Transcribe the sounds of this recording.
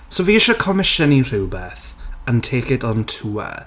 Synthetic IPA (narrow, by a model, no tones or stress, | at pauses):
soviːɪʃɔkʰɔmɪʃənir̥ɪwbeːθ | əntʰeːkɪdɔntʰuːə̰